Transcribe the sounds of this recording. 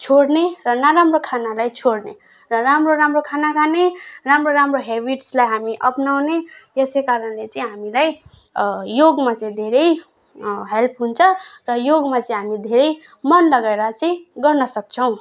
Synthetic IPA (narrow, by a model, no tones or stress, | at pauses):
t͡sʰoɽnerʌnaɾamrokʰanalajt͡sʰoɽne | rʌɾamroɾamrokʰanakʰaneramroɾamroɦebiʈslajɦamiʔʌpnawnejʌsekaɾʌnlet͡sʌĩɦamilaj | joɡmat͡sʌĩd̪ʱeɾʌj | ɦelpʰɦunt͡sʰʌrʌjoɡmat͡sʌĩɦamid̪ʱeɾʌj | mʌnlʌɡaeɾʌt͡saĩɡʌrnʌsʌk̚t͡sʰʌw̃